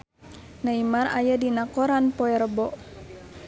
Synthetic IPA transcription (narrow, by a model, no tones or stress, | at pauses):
naimarajadinakɔɾanpɔɛɾəbɔʔ